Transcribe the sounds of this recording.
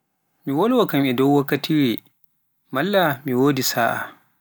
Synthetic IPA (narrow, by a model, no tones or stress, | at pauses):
miwɔlwakamɛdɔwːakːatiːɾɛ | malːamiwoːdisaːʔa̰